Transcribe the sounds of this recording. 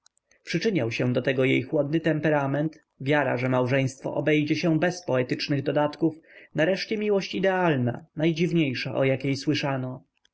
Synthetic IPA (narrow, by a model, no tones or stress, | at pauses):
pʂɘt͡ʂɘɲawɕɛ̃d̪ɔt̪ɛɡɔjejxwɔd̪̚nɘt̪ɛmpɛɾamɛnt̪ | vʲjaɾa̰ʐɛmawʐɛj̃st̪fɔ̰ʔɔbɛjd͡ʑɛɕɛbɛspɔɛt̪ɘt͡ʂnɘɣd̪ɔd̪at̪kufnaɾɛʂt͡ɕɛmʲiwɔɕt͡ɕid̪ɛalna̰najd͡ʑivɲejʂaʔɔjakʲejswɘʂanɔ